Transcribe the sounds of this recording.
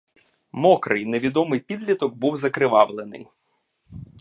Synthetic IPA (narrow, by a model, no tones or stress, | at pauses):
mɔkɾɨjneʋʲid̪ɔmɪjpʲid̪lʲit̪ɔk̚buwzɐkɾɪʋɑwlˠenɪ̰j